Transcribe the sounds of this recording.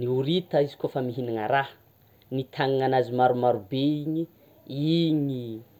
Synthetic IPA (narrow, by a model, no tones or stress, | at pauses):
niuɾit̪əizi̥kʲofəmiɦinaŋəɾa | nit̪ʰaŋiŋanazimaɾumaɾubeiɲi | iɲi